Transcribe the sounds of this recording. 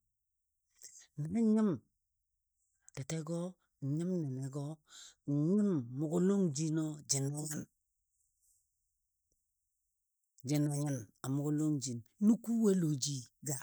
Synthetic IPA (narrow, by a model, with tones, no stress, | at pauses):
ni˨ne˦ɲi˦m | te˨te˦ɡo˦˨ | ɲi˦mne˨ne˨ɡo˦˨ | ɲi˦mːu˨ɡu˦lo˦ŋd͡ʒi˦no˦d͡ʒi˨na˨ɲa˦n | d͡ʒi˨na˨ɲa˦na˨mu˨ɡu˦lo˦ŋd͡ʒi˨nnu˦ku˦we˦lo˨d͡ʒi˦ɡa˨